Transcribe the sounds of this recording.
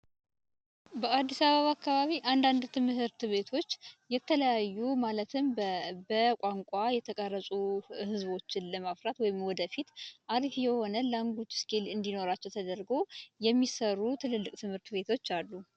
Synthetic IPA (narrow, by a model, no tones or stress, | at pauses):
bəad̪ːisaβəβakːaβaβiʔand̪and̪t̪ʰɨmhɨɾt̪βe̞t̪ʰo̞t͡ʃːjɛt̪ʰələjajːumalət̪ʰɨmbəkʷʼaŋkʷʼajɛt̪ʰəkʼərːəsʼuhɨzβo̞t͡ʃːɪnləmafɾat̪wɔjɪmwɔd̪əfit̪ʔaɾifjɛho̞nəlaŋɡut͡ʃːskʰelɨnd̪ino̞ɾat͡ʃːɛwt̪ʰəd̪əɾɡo̞jɛmːisərːut̪ʰɨlɨlːɨkʼt̪ʰɨmhɨɾt̪be̞t̪ʰo̞t͡ʃːalːu